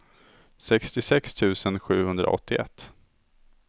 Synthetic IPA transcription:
sɛkst̪ɪsɛkst̪ʰʉ̟ːsənɧʉ̟ːhɵnd̪ɾa̰ʔɔ̰t̪ʰːɪʔɛ̰t̪ː

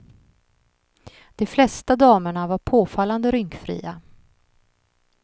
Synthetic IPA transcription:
d̪̥ɛflɛst̪ad̪ɑːməɳavaɾpʰoːfalːand̪əɾʏŋkfɾḭːa

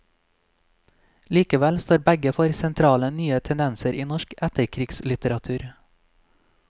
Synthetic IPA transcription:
liːkəʋælst̪oːɾbæɡəfɔɾsɛnt̪ʰɾɑːlənyːət̪ʰɛnd̪ɛnsəɾʔiːnɔʃkæt̪əɾkʰɾiːɡslɪt̪əɾɑt̪ʰʉːɾ

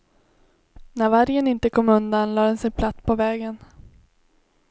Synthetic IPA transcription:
næɾvaɾjənɪnt̪əkʰɔmːɵnd̪anlɑːd̪ɛnsɛnpʰlat̪sːpʰɔvɛːɡən

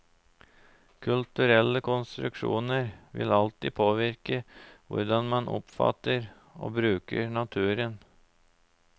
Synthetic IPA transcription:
kʰʉlt̪ʉɾɛlːəkʰʊnst̪ɾʉ̰kʂṵːnəɾʋɪ̰lɑlt̪iːpʰoːʋɪɾkəʋʊ̰ɾɖɑnmɑnʔʊ̰pfɑ̰t̪ːəɾ | o̰ːbɾʉːkəɳɑt̪ʰʉːɾən

